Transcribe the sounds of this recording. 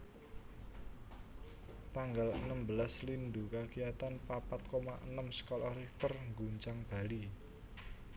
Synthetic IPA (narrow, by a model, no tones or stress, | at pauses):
t̪aŋɡalə̰nəmbəlaslind̪ukakijat̪anpapat̪̚komaʔənəmsə̥kɔlɔɾiht̪ərŋɡuɲt͡ʃaŋb̥a̤li